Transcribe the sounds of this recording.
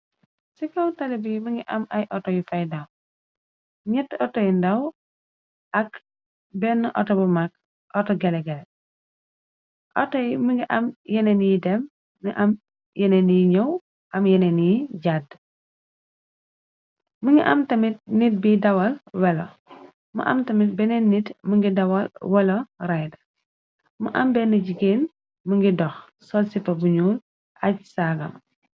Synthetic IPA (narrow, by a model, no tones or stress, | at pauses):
sikɐwtɐlɛbiməŋiʔɐmʔɐjʔɔtɔjifajdaw | ɲɛtːɔtɔjindɐw | ʔɐk | bɛnːʔɔ̰tɔbəmak̚ | ʔɔtɔɡɛlɛɡɛlɛ | ʔɔtɔjimiŋɡiʔɐmjɛnenijdɛm | niʔɐm | jɛneniɲɔw | ʔɐmjɛnɛniɟad | məŋɡiʔɐmtɐmit̚nit̚bidɐwɐlwɛlo | mɐ̰ʔɐ̰mtɐmit̚bɛnɛnːitməŋɡidɐwɐlwɛlɔrajdɐ | məʔɐmbɛnəɟiɡeːn | məŋɡidɔx | sɔlsipɐbuɲuːl | ʔɐc̚saɡɐ̰m